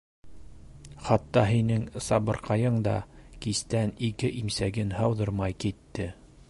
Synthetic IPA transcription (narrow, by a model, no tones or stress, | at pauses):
χɑt̪ːɑɦinɘŋsɑβɤ̆ɾqɑjɤɴd̪ɑ̰kist̪ænikɘʔimsæɡɘnhɑwðɤɾmɑjkit̪ːɘ